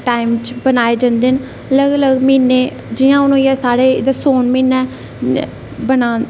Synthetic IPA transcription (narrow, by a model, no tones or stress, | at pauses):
ʈaːɪmt͡ʃbənaːeːd͡ʒãːnd̪eːn | ələɡələɡmiːneː | d͡ʒɪjãːʊnõːjɛːsaːɽeːd̪əsoːnmiːnɛ̃ː | bənãː